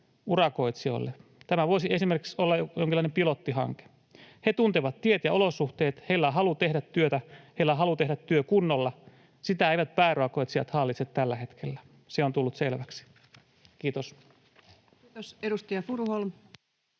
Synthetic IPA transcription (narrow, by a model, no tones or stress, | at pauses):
urɑkoit̪sio̰lːet̪æmæʋoisiesimerki̥ksolːɑjoŋkilːˑɑˑinempilot̪ːihɑ̰ŋke̥ | het̪unt̪eʋɑt̪tiet̪jɑolosuht̪eːt̪heilːæɦɑlut̪ehdæt̪tyøt̪æheilːæɦɑlut̪eɦɾæt̪tyøkunːolːɑ | sit̪æeiʋæt̪̚pæːroɑkoit̪siɑ̰t̪hɑlːit̪set̪t̪ælːæhe̞t̪kʰelːæ | seont̪ulːut̪selʋæksi̥ | kiːt̪os | oseɾust̪ijɑfuɾuholm